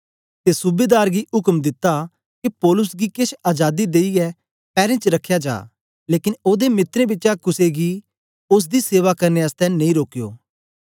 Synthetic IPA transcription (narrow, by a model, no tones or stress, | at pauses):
t̪esʊbeːd̪aːɾɡiʊkəmd̪ɪt̪ːa | kipɔːlʊsɡikɪʃaːd͡ʒaːd̪id̪eːiɛ | pɛːɾẽt͡ʃɾɐkʰːjad͡ʒa̰ː | leːkɪnoːd̪emɪt̪ɾẽbɪːt͡ʃakʊseɡi | ʊs̬d̪iseːʋakɐɾneɐst̪ɛ̃ñĩɾoːkijo̰ː